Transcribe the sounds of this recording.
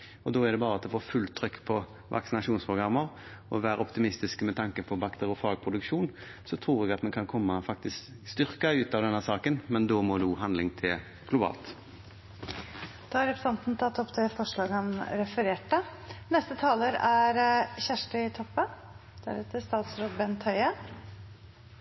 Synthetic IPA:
ɔd̪oːɛɖ̪ɛbɑːɾəɑt̪̚d̪ɛfoːfʉlt̪ʰːɾʏkːpʰɔ | ʋʔɑ̰ksɪnɑʂuːnspʰʁʊɡɾɑmːəɾ | ɔʋæːɾəɔpt̪ɪmɪst̪ɪskəmɛt̪ʰɑŋkəpʰɔbɑkt̪ɛɾɪʊfɑːɡ̚pʰɾʊd̪ʉkʂuːnsɔt̪ʰɾuːɾɛɡɑt̪mɛnkʰɑnkʰɔmːəfɑk̚t̪ɪsk | st̪ʏʁkɑʉːt̪ɑʋd̪ɛnːəsɑːkənmɛnd̪oːmɔd̪ʉɦɑnd̪lɪŋt̪ʰɪl | ɡ̥lʊbɑ̰ːlt̪ | d̪̥ɑːæɾɛpʰɾsɑnt̪n̩t̪ɑt̪ʰːɔpt̪ʰœʏəfɔʂɭɑːɡɑnɾɛfəɾeːʈənɛst̪ət̪ʰɑːləɾæɾçæʂʈəɪt̪ʰɔpːə | d̪̥æ̰ɾɛːt̪əst̪ɑːt̪sɾoːd̪̚bɛnt̪ʰœʏə

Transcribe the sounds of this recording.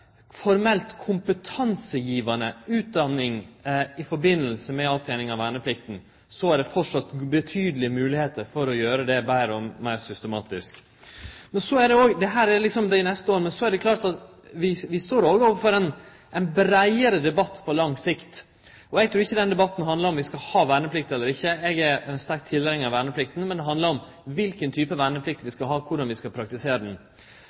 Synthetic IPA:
fɔɾmɛlt̪kʰʊmpət̪ʰɑnsəjiːʋənəʉːt̪̚d̪ɑnːɪŋɪfɔɾbɪnːəlsəmɛɑt̪ʰænɪŋɑʋæːɳəpʰlɪkt̪n̩ | sɔæɖɛfɔʂɑt̪ːbət̪ʰyːd̪əlɪmʉːlɪheːt̪əɾfɔɾɔjøːɾəd̪ɛbæːɾɔmmæɪɾsʏst̪əmɑːt̪ɪsk | mɛnsɔæɖɛoːɡd̪ɛɦæːɾæɾlɪksɔmd̪ɛɪnɛst̪əoːɾmɛnsɔæɖɛkʰlɑːʈ̪ɑt̪ | ʋɪʋɪst̪oːɾoːɡoːʋəɾfɔɾɛn | ɛnbɾæɪəɾəd̪ɛbɑt̪ːpʰɔlɑŋsɪkt̪ | ɔɛɡt̪ʰɾuːɪçːəd̪ɛnd̪ɛbɑt̪ːn̩hɦɑnd̪ləɾɔmʋɪskɑhɑːʋæːɳəpʰlɪk̚t̪ɛlːəɾɪçːəɛɡæɾɛnst̪æɾk̚t̪ʰːɪlɾɪŋːɑʋæːɳəpʰlɪkt̪n̩mɛnd̪ɛɦɑnd̪ləɾɔm | ʋɪlkənt̪ʰyːpəʋæɳəpʰlɪk̚t̪ʋɪskɑlɦɑːkʰʊɖɑnʋɪskɑpʰɾɑk̚t̪ɪseːɾəd̪n̩

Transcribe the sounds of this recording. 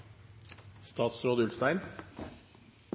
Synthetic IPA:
st̪ɑːt̪sɾoːd̪ʉlst̪æɪn

